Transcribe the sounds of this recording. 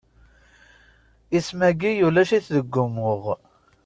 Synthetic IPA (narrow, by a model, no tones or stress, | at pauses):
ismæɡijulæʃiθðəɡːʊmʊʁ